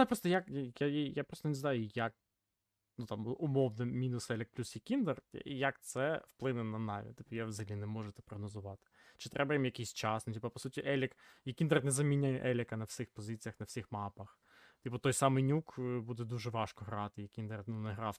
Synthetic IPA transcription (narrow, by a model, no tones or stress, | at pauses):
pɾɔst̪ɔjakjajapɾɔst̪ɔnɪznɑjʊjɐk̚ | nut̪ɑmʊmɔwnɛmʲinʊsɛlʲɛk̚plʲusjɐkʲind̪ɛr̰jɐkt̪sɛwplˠɪnɛnɐnɑʋʲḭt̪ipjawzɪlʲinɛmɔʒet̪ɛ̥pɾɔɦnɔzʊʋɑt̪ɪ̥t͡ʃɪ̥t̪ɾʔɛbɐjimjɐkijsʲt͡ʃɑsnʊtʲipɐpɔsutʲiʔɛlʲɪkjɐkʲind̪ernɛzɐmʲinʲajɛʔɛlʲɪkɐnɐwsʲɪxpɔzɪt͡sʲijɐxnɐfsʲixmɑpɐx | t̪ʲipɔt̪ɔjsɑmɪjnʲukbud̪ɛd̪uʒɛʋɑʃkɔɦɾɑt̪ɪjɐkʲind̪ɛrnunɛɦɾɑw